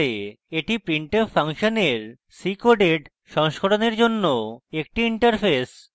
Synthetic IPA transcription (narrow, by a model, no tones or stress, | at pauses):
e | eʈipɾiɳʈefʰaŋʃoneɾ | sikoɖeɖ | ʃɔŋʃkoʈoneɾd͡ʑonːoek̚ʈiiɳʈaɾpʰes